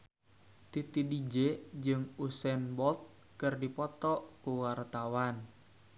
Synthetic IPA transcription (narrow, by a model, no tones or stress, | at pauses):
t̪it̪idid͡ʒed͡ʒɨŋusɛnbɔlt̪̚ | kɨrdipɔt̪ɔʔkuwart̪awan